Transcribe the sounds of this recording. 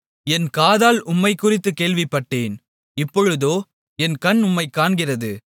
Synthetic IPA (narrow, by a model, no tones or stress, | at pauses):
ɛnkaːðaːlʊmːɐɪkːʊrɪt̪ːɯkeːɭʋɪpːɐʈːeːn | ɪpːɔɻɯðoː | ɛnkɐnʊmːɐɪkːaːɳɡɪrɐðɯ